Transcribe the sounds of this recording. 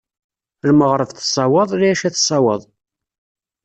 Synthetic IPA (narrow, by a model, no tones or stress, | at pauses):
lməʁɾˤəfθsˤːɑwəðˤɾiæʃæθsˤɑwəðˤ